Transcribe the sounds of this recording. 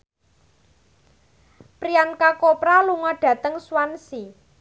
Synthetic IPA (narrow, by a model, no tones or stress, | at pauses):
pɾiankakopɾaluŋɔɖ̥ä̤t̪əŋswansi